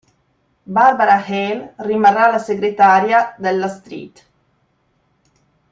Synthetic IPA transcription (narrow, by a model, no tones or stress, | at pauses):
baɾbaɾahɛlrimarːalaseɡɾet̪aːɾjad̪elːast̪ɾḭt̪